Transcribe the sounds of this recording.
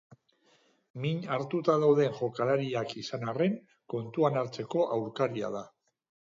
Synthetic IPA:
miɲaɾt̪ut̪aðawð̞e̞ŋʝo̞kalaɾiakisanare̞ŋ | ko̞nt̪uanaɾt͡se̞ko̞ʔawɾkaɾia̰ða

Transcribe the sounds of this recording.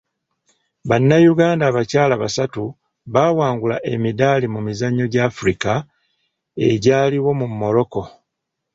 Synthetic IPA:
βanːajuɡaːndaːβacaːlaβasatu | βaːwaːŋɡulaʔe̞midalimumizaɲːo̞ɟaːfuɾika | e̞̰ɟaːliwo̞mumːo̞ɾo̞ko̞

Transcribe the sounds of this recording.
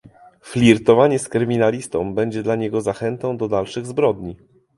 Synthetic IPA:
flʲiɾt̪ɔvaɲɛskɾɘmʲinalʲist̪ɔ̃mbɛɲd͡ʑɛd̪laɲɛɡɔzaxɛnt̪ɔ̃w̃d̪ɔd̪alʂɘɣzbɾɔd̪ɲi

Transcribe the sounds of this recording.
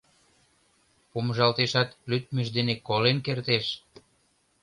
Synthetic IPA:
puməʒɑlt̪eʃɑt̪lyt̪mə̆ʒd̪enekolenkert̪eʃ

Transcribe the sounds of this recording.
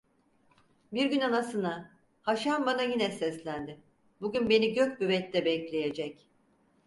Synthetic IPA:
biɾɡynanasɯna | haʃambanajinɛsɛslʲænd̪ɪ | buɟʲynbe̞niɟøcbyβɛt̪ːɛbɛclʲe̞jed͡ʒɛc

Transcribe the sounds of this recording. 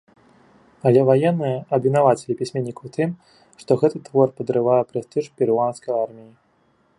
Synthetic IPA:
ɐlʲɛvajɛnːɨjɐʔɐbvʲinavat͡sʲɛlʲipʲisʲmʲɛnʲːikɐwt̪ʰɨm | ʂt̪ɔɣɛt̪ɨt̪vɔrpɐd̪ɾɨvajɛpɾɛst̪ɨʂpʲiɾanskɐjarmʲiji

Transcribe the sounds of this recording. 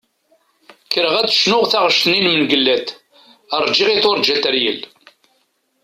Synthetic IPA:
kːəɾəʁæt͡sːʃnʊʁθaʁəʃt̪ninmənɡəlːæt̪ | əɾˤd͡ʒiʁiθʊɾˤd͡ʒæt̪əɾjəl

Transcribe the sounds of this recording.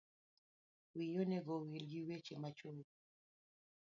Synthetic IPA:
wijonɛɡɔwilɡiwet͡ʃemat͡ʃo

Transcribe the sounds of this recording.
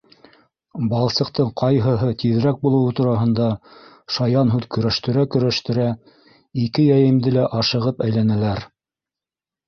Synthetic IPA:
bɑlˠsɤ̆qt̪ɤɴqʰɑjɦɤ̆ɦɤt̪iðɾæk̚bulˠɤ̆wɤt̪uɾɑɦɤ̆nd̪ɑ | ʃɑjɑnɦʉðkɵ̆ɾæʃt̪ɘ̆ɾækɵ̆ɾæʃt̪ɘ̆ɾæ | ikɘjæjɘ̆md̪ɘlæʔɑʃɤ̆ʁɤpæjlænælæɾ

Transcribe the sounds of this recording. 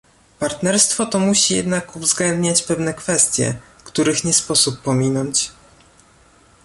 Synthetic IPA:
paɾt̪nɛɾst̪fɔt̪ɔmuɕijɛ̰d̪nakuvzɡlɛnd̪ɲat͡ɕpɛvn̪ɛkfɛst̪ʲjɛ̰ | kt̪uɾɘxɲɛspɔsupːɔmʲinɔɲt͡ɕ

